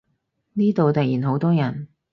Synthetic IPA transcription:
niː˥t̪o˨wt̪ɐ˨k̚jiː˨˩nɦo˨˥wt̪ɔː˥jɐ˨˩n

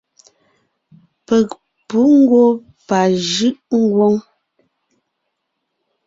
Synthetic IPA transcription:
pɛ˨k̚ | pu˨˦ŋ̩˦ɡwo˦ | pa˨ʒɯ˦ʔŋ̩˦ɡwo˦ŋ

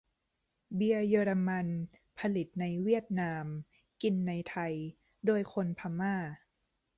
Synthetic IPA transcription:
bi˧ɐjɤː˧ɾa˧ma˧n | pʰa˧li˨˩t̪̚na˧jwi˥˩ət̪̚naː˧m | ki˧nːa˧jt̪ʰa˧j | doː˧əjkʰo˧npʰa˧maː˥˩

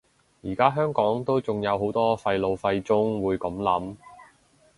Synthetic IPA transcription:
jiː˨˩kaː˥ɦœː˥ŋkɔː˨˥ŋt̪o˥wt͡sʊ˨ŋjɐ˨˧wɦo˨˥wt̪ɔː˥fɐ˧jlo˨wfɐ˧jt͡sʊ˥ŋwuː˨˧jkɐ˨˥mlɐ˨˥m

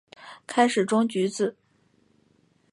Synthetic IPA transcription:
kʰa˥ɪʂɻ̩˨˩ʈ͡ʂʊ˥ŋt͡ɕy˧˥t͡sɹ̩˥˩

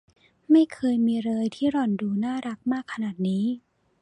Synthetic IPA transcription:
ma˥˩jkʰɤː˧jmiː˧ɾɤː˧jt̪ʰiː˥˩ɾɔ˨˩nduː˧naː˥˩ɾa˦˥k̚maː˥˩kʰːa˧naː˨˩t̪̚niː˦˥

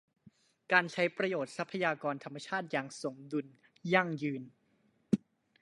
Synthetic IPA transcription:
kaː˧nt͡ɕʰa˦˥jpɾa˧joː˨˩t̪̚sa˦˥pʰːa˧jaː˧kɔː˧nt̪ʰa˧mːa˧t͡ɕʰaː˥˩t̪̚jaː˨˩ŋso˩˦ŋdu˧n | ja˥˩ŋjɯː˧n

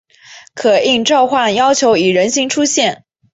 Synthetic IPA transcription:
kʰɤ˨˩i˥˧ŋʈ͡ʂɑ˥˧ʊxwa˥˩njɑ˥ʊt͡ɕʰjo˧˥ʊi˨˩ɻə˧˥nɕi˧˥ŋʈ͡ʂʰu˥ɕjɛ˥˩n

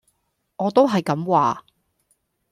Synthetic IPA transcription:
ŋɔː˨˧t̪o˥wɦɐ˨jkɐ˨˥mwaː˨

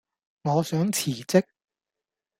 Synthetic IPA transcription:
ŋɔː˨˧sœː˨˥ŋt͡sʰiː˨˩t͡sɪ˥k̚

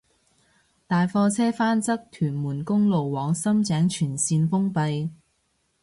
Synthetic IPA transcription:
t̪aː˨jfɔː˧t͡sʰɛː˥faː˥nt͡sɐ˥k̚t̪ʰyː˨˩nmuː˨˩nkʊ˥ŋlo˨wwɔː˨˥ŋsɐ˥mt͡sɛː˨˥ŋt͡ʃʰyː˨˩nsiː˧nfʊ˥ŋpɐ˧j

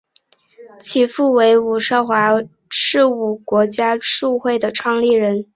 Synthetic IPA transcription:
t͡ɕʰi˨˩fu˥˩we˧˥ɪu˨˩ʂɑ˥˩xwa˧˥ | ʂɻ̩˥˧u˥˩kwɔ˧˥t͡ɕja˥ʈ͡ʂu˥˧xwe˥˩ɪd̪ə˩ʈ͡ʂʰwɑ˥˧ŋli˥˩ɻə˧˥n

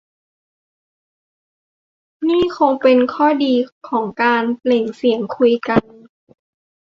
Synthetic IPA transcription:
niː˥˩kʰo˧ŋpe˧nkʰɔː˥˩diː˧kʰɔː˩˦ŋkaː˧nle˨˩ŋsi˩˦əŋkʰu˧jka˧n

